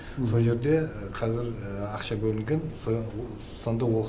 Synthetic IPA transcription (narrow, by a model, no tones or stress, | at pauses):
soʒe̞ɾd̪e̞qʰɑzɪɾɑqʃɑbɵlˠɪŋɡʲens | sond̪ɑwoq